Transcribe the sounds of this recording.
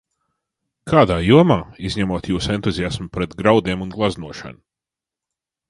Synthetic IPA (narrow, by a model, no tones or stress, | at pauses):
kʰaːd̪aːjuɔmaːizɲɛmuɔːt̪juːsent̪uzʲiasmʊpɾɛt̪ɡɾawd̪iɛmunɡlˠaznuɔʃa̰nu